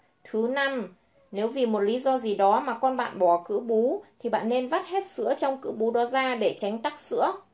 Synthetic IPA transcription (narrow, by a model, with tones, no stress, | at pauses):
t̪ʰɨ˨˦na˧m | ne˨˦wvi˨˩mo˨˩t̚li˨˦zɔ˧zi˨˩ɗɔ˨˦maː˨˩kɔ˧nɓa̰ː˧˨nɓɔ˧˩kɨ̰˧˥ɓu˨˦t̪ʰi˨˩ɓa̰ː˧˨nːe˧nva˦˥t̚hɛ˦˥t̚sɨ̰˧˥ət͡ɕɔ˧wŋ͡mkɨ̰˧˥ɓu˨˦ɗɔ˨˦zaː˧ɗe˧˩t͡ɕa˨˦jŋ̟t̪a˦˥k̚sɨ̰˧˥ə